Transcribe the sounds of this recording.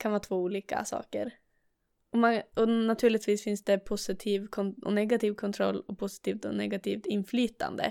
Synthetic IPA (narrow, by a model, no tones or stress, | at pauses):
kʰanvɑːt̪ʰvoːuːliːka̰sɑ̰ːkəɾ | ɔmaɔnat̪ʰʉ̟ːɭɪt̪viːsfɪnsd̪ɛpʰʊsɪt̪ʰiːvkʰɔɔ̰nɛɡat̪ʰiːvkʰɔnt̪ʰɾɔlːɔpʰʊsɪ̥t̪ʰiːvt̪ɔnɛɡat̪ʰiːvt̪ɪnːflyːt̪ʰa̰nd̪ə̰